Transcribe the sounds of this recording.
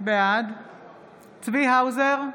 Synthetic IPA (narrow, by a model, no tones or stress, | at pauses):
bead̪ | t͡sviɦawzeʁ